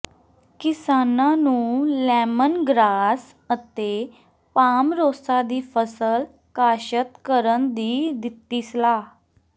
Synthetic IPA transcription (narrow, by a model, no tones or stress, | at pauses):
kɪsaːnãːnũːlɛːmənɡɾaːs | ət̪eː | paːmɾoːsaːd̪iːpʰəsəl | kaːʃət̪kəɾənd̪iːd̪ɪt̪ːiːsəlaː